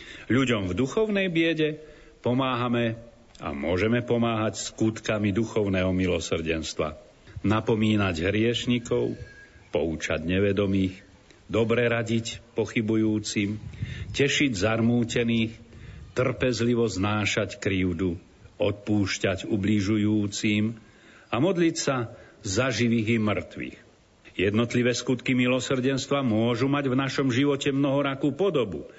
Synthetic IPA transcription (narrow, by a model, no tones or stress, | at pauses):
ʎuɟɔmvd̪uxɔʊnɛjbɪɛɟɛ | pɔmaːɦamɛ | a̰mʊɔʒɛmɛpɔmaːɦacskut̪kamid̪uxɔʊnɛɦɔmilɔsr̩ɟɛnst̪ʋa̰ | napɔmiːnaɟɦɾɪɛʃɲikɔʊpɔut͡ʃa̰ɟɲɛʋɛd̪ɔmiːx | d̪ɔbɾɛɾaɟicpɔxibujuːt͡simcɛʃiɟzarmuːcɛniːxt̪r̩pɛzliʋɔznaːʃackɾiʊd̪u | ɔt̪̚puːʃcaɟubliʒujuːt͡siːm | amɔd̪licsazaʒiʋiːɣimr̩t̪ʋḭːx | jɛd̪nɔt̪liʋɛːskut̪kimilɔsr̩ɟɛnst̪ʋamʊɔʒumaɟvnaʃɔmʒiʋɔcɛmnɔɦɔɾakuːpɔd̪ɔbu